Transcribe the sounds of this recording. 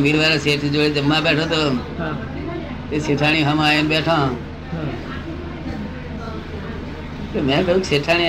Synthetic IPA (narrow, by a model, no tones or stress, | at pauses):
miːɾʋaːɾaseːʈʰd͡ʒoːɽeːd͡ʒəmːaːɓeːʈʰoːt̪oː | t̪eːseʈʰaːɽ̃iːɦəmaːenɓeːʈʰãː | t̪ɐmẽːkəuːkseːʈʰaːɽi